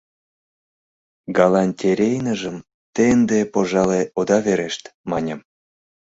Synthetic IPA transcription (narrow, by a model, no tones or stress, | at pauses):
ɡɑlɑnʲt̪ʲeɾʲejnəʒəm | t̪end̪epoʒɑleʔod̪ɑβeɾeʃt̪mɑnʲə̆m